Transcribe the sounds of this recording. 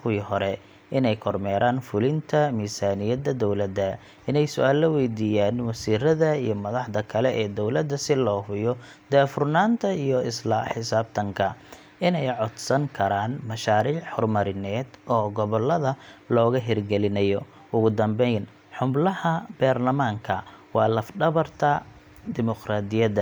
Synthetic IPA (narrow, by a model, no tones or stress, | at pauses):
kʰʊwiːhɔɾɛ | ɪnɛjkʰɔrmɛːɾaːnfʊlɪnt̪ʰɐmiːsaːnɪjɐd̪ɐd̪ɔwlɐd̪ɐ | ɪnɛjsʊʔaːlːɐwɛjd̪iːjaːnwɐsiːɾɐðɐijɞmɐðɑħd̪ɐkʰɐlɛʔɛːd̪ɔwlɐd̪ːɐsɪlɔːhʊjɔ | d̪ɛːfʊrnaːnt̪ʰɐijɔɪslaħɪsaːb̚t̪ʰɐŋkʰɐ | ɪnɛjʕɔd̪sɐŋkʰɐɾaːnmɐʃaːɾiːhɔrmɐɾɪnɛːd̪ʔɔːɡɔβɔlːɐðɐlɔːɣɐɦɪrɡɛlɪnɛjɔ | ʔʊɣʊd̪ɐmbɛjn | ħʊmblɐhɐbaːrlɐmaːŋkʰɐwɑːlɐfɖɐβɐrt̪ʰɐ | d̪ɪmɔqraːd̪ɪjɐd̪ɐ